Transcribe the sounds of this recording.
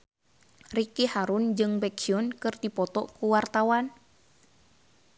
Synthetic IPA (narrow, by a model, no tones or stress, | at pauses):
rikihaɾund͡ʒɨŋbɛkiɔnkɨrdipɔt̪ɔkuwart̪awan